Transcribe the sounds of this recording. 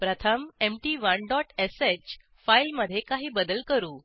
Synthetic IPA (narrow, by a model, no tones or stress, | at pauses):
pɾət̪ʰəmemʈiːʋəɳɖɔʈeset͡ɕ | failməd̪ʱːjekaɦiːbəd̪əlkəɾuː